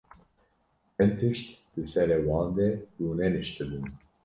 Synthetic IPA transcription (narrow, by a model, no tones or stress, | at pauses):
ɛnt̪ʰɨʃt̪d̪̥ɨsɛɾɛwɑːnd̪ɛjuːnɛnɨʃt̪ɨb̪ɨn